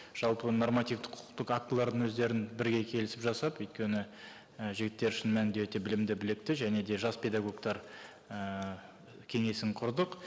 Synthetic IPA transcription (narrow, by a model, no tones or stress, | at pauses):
ʒ̥ɑlˠpəno̞rmat̪ijvt̪ɪqʰʊ̥qt̪əqakt̪əlˠɑɾd̪əɴwɵzd̪e̞ɾɪnbɪɾɡʲe̞kʲʰe̞lɪsɪpʒɑsɑpɵjt̪̚kʲe̞nɪ | əʒɪɡʲɪt̪ːe̞ɾʏʃɪnmænd̪ewɵt̪e̞bɪlɪmd̪ɪbɪlek̚t̪ɪʒæne̞d̪e̞ʒɑspʲʰe̞d̪ɑɡo̞kt̪ɑɾ | ə | kʲʰe̞ŋe̞sɪŋqʰʊɾd̪əq